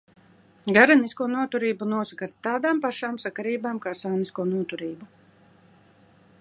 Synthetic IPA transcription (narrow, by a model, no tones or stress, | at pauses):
ɡaɾɛniskuɔnuɔt̪uɾiːbunuɔsakaɾt̪ːaːd̪aːmpaʃaːmsakaɾiːbaːmkaːsawniskuɔnuɔt̪uɾiːbu